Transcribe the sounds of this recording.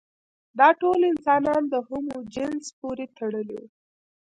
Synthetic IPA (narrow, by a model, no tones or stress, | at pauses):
d̪ɑʈolɪnsɑnɑnd̪əhumod͡ʒɪnspoɾet̪aɽəliwu